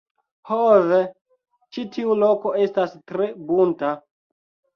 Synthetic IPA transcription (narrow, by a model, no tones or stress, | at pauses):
hoze | t͡ʃitʰiulo̞ko̞e̞stastɾe̞bunta